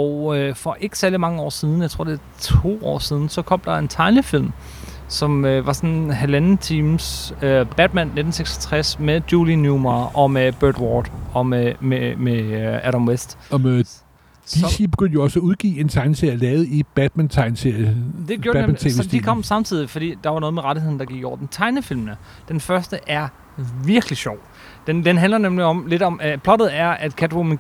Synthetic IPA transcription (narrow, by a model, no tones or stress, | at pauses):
ɒʊøfɒ̽ʔe̝ɡ̥ə̥sæɐlimɑ̈ŋəɒ̰ːsið̞ˠn̩jät͡sʰo̝̰d̥e̝ | t͡sʰo̝̰ːɒ̰ːsiːð̞ˠn̩sɒ̽kʰɒ̽m̰d̥ɑ̈e̝nt͡sʰɑ̈ɪnəfil̰m | sɒ̽møʋɑ̈sɒ̽nɦælænt͡sʰiːmsøb̥æd̥̚mænːe̝d̥n̩seɡ̥sɒ̥t͡sʰʁasmed̥juːlinjumɑʔɒ̽meb̥øːd̥wɒːd̥ɒ̽meemeæɾɑmwesd̥ɒe | d̥isib̥e̝ɡ̥øn̰d̥joɒsæuð̞ˠɡ̥ḭːe̝nt͡sʰɑ̈ɪnseɐjælɛːð̩ˠib̥æd̥̚mænt͡sʰɑ̈ɪnse̝ɐ̰jəd̥e̝ɡjoɐæemæsʰed̥ikʰɒ̽m̰sɑ̈mt͡sʰið̰ˠifɒ̽d̥ḭːd̥ɑ̈ʋɑ̈nɔ̽ːð̞ˠmeʁɑ̈ɾihe̝ð̰ˠn̩d̥ɑ̈ɡ̥iɡ̥ɒ̰ʊ̰ɐd̥ent͡sʰɑ̈ɪnəfil̰mnə | d̥enfɶɐsd̥əʔæɐ | ʋiɐɡ̥liɕɒʊ̰ | d̥end̥enɦændlɐnemliɒ̽mle̝d̥ɒ̽mpʰlɒ̽d̥ð̩ˠæɐʔæd̥kʰæd̥ʁom